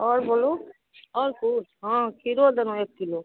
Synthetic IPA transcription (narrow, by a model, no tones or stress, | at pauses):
ɔːɾbolo | ɔɾkuɦãkʰiɾod̪ɛnõek̚t̪ilo